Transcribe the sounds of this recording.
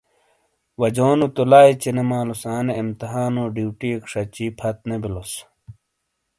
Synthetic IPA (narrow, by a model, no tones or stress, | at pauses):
wɐd͡ʑoːnut̪ulaːit͡ɕinemaːlusaːneːmt̪ɐɦaːnoːɖiwʈiekʂɐt͡ɕiːpʰɐt̪̚nebilos